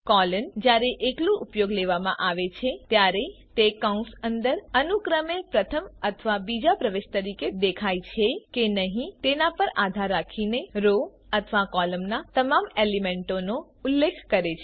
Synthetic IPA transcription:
kɔlənd͡ʒjaɾeʔeklũʔupjoɡleʋamã̰ʔaʋet͡ʃʰet̪jaɾe | t̪ekaũsənd̪əɾənukɾəmepɾət̪ʰəmət̪ʰəʋabid͡ʒapɾəʋeʃt̪əɾiked̪ekʰajt͡ʃʰekenəɦĩt̪enapəɾad̪ʱaɾːakʰineɾo | ət̪ʰəʋakɔləmnat̪əmamelimẽɳʈono | ulːekʰkəɾet͡ʃʰe

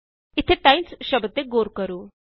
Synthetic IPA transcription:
it̪ʰeʈãjnsɕəbət̪ːeɡoɾkəɾuː

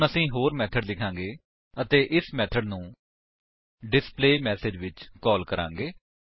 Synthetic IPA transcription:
nəsĩːɦoːɾmɛːt̪ʰəɖd̪ɪkʰãːŋɡeː | ət̪eːʔɪsmɛːt̪ʰəɖnũː | ɖɪspleːmɛːsɪd͡ʒʋɪt͡ʃkɔːlkəɾã̰ːŋɡeː

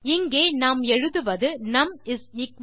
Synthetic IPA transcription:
ɪŋɡeːnaːmɛɻɯðɯʋɐðɯnɐmɪsnɪk

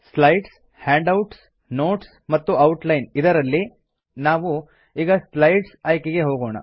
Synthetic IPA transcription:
slɐjɖs | haːɳɖɐwʈs | no̞ːʈs | mɐt̪ːuɐwʈlɐjnid̪ɐɾɐlːi | naːʋu | iːɡɐslɐjɖsɐːjkeɡe̞ɦoːɡoːɳɐ̰

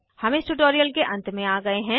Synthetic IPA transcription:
hɐmẽsʈuʈoːɾijəlkeʔɐ̃nt̪mẽaːɡɐeɦɛ̃ː

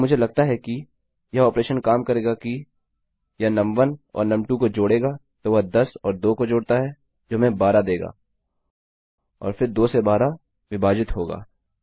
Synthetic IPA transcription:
mʊd͡ʒʱelɐɡ̚t̪aɦɛki | jɐɔːpɾeːʃənkaːmkɐɾeːɡaki | jɐnɐ̃mʋənɔ̰ːɾnɐ̃mʈũkod͡ʒoːɽeːɡa | t̪oʋɐɦd̪ɐsɔːɾd̪oːkod͡ʒoːɽt̪aɦɛ | d͡ʒoːmẽbaːɾad̪eːɡa̰ː | ɔ̰ːɾfɪɾd̪oːsebaːɾa | ʋɪbaːd͡ʒɪt̪ɦoːɡa̰ː

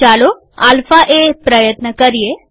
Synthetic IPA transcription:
alo | a̰lfaʔepɾəjət̪nəkəɾije

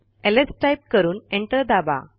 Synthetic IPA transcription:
elesʈajp̚kəɾuːnẽɳʈəɾd̪aba̰

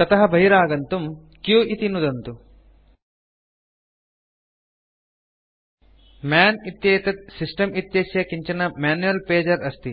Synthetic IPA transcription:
t̪ɐt̪ɐɦɐbʱɐɦiɾaːɡɐnt̪um | kjuːit̪inud̪ɐnt̪u | maːnit̪jeːt̪ɐt̪̚sisʈɐmit̪jeːsjɐkiɲt͡ʃɐnɐmaːnjuɐlpeːd͡ʒɐɾɐst̪i

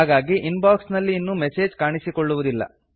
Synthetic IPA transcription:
aːɡaːɡiʔinbaːksnɐlːiːnːumese̞ːd͡ʒkaːɳisikoɭːuʋud̪ilːɐ̰

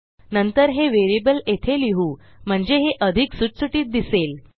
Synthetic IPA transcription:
nənt̪əɾɦeʋeɾibəlet̪ʰeliɦuː | m̤əɳd͡zeɦeʔəd̪ʱiksuʈsuʈiːt̪̚d̪isel

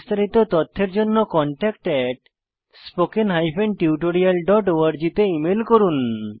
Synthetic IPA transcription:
st̪ʰaɾit̪ot̪ɔt̪ʰːeɾd͡ʑonːokɔɳʈɛkʈɛʈ̚ | spokenɦajpʰenʈiuʈoɾialɖɔʈoaɾd͡ʑit̪eimelkoɾun

